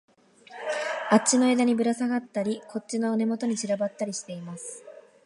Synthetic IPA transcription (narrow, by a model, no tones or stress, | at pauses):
at͡ɕːino̞ed̪aɲ̟ibɯ̟ɾasaɡat̪ːaɾʲikʰo̞t͡ɕino̞ɯne̞mo̞t̪o̞ɲ̟it͡ɕiɾabat̪ːaɾʲiɕi̥t̪e̞imasɨ̥